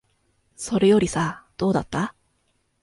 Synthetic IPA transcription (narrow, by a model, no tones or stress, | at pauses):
so̞ɾe̞jo̞ɾʲisad̪̥o̞ːd̪at̪ːa